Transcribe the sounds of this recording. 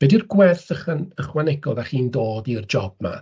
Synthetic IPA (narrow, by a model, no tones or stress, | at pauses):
bɛdirɡwɛθəχanəχwanɛɡɔðaχiːndoːdird͡ʒɔb̥̚ma̰